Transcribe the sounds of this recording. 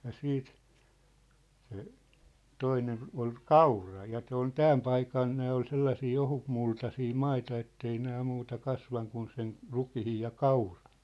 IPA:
jɑ siːt se toinen ol kɑurɑ jɑ t̆se on tæːm pɑikɑn næː ol selːɑsiː ohutmultɑsiː mɑitɑ etːei næː muːtɑ kɑsʋɑŋ kun sen rukihij jɑ kɑurɑ̥n̥

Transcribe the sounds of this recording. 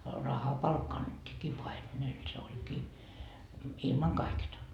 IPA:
rɑhɑpɑlkːɑ ɑnːetːiːkːiː pɑimenel se olʲkiː ilmɑŋ kɑiketɑ

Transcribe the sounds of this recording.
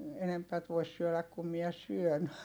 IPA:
enempæt ʋois syølæk kum miɛ syøn

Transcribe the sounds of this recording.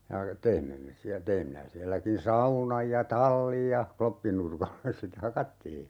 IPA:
jɑ teimːe me siæ teim minæ siælːækin sɑunɑj jɑ tɑlːij jɑ klopːinurkɑlːes se te hɑkɑtːiː

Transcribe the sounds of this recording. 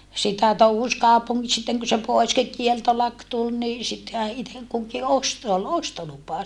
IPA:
sitæ touhus kɑupuŋːi sitːeŋ ku se pois ki kieltolɑk tul ni sitːehæ itek kuki ost se ol ostolupɑ

